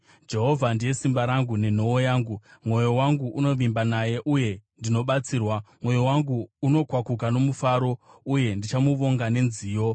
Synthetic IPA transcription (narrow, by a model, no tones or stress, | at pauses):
d͡ʒe̞ɦo̞vʱandije̞simbaɾaŋɡune̞n̤o̞ojaːŋɡumwo̞jo̞waŋɡuʔuno̞ʋimbanaje̞ʔuje̞ndino̞ɓat͡siːrwamwo̞jowaŋɡuːno̞kwakuk̬ano̞mufaɾo̞uje̞ndit͡ʃamuʋo̞ŋɡane̞nziːjo̞